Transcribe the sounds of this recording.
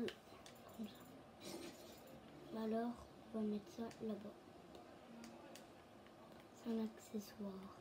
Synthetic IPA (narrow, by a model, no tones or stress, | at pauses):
la | alɔʁ | vamɛt̪salaba | sɛ̃nakseswaːʁ